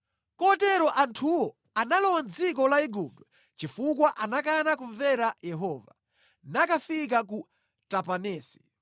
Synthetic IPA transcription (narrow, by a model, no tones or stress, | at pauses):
kɔtɛɾɔʔantʰuwɔ | analɔwand͡zik̬ɔlaiɡup̚dɔ | t͡ʃifukwaʔanak̬anakuɱvɛɾajɛɦɔːva̰ | nakafik̬ak̬u | tapanɛːsi̥